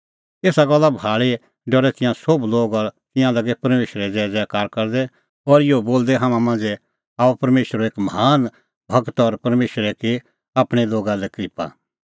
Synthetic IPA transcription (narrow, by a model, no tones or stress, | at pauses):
eːsaɡɐlːabʱaːɭe | ɖɔɽɛt̪ɪ̃jãsobloːɡɔɾt̪ɪ̃jãlɐɡɛpɐɾmeːʃɾɛd͡ʒɛːd͡ʒɛːkaːɾkɐɾd̪ɛ | ɔɾɪjoboːld̪ɛɦaːmãmãːnd͡zɛ | aːupɐɾmeːʃɾoeːkməɦaːn | bʱɐɡt̪ɔɾpɐɾmeːʃɾɛke | aːpɽ̃ɛloːɡalɛkɾɪpa̰